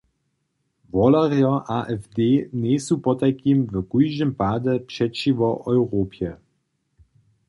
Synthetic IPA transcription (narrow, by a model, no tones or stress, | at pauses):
vɔlaʁjaʔaʔɛfd̪eːnesupɔt̪akʰimvəkujʒɨmpad̪ɛpʂɛt͡ʃiʋɔʔɔwʁopjɛ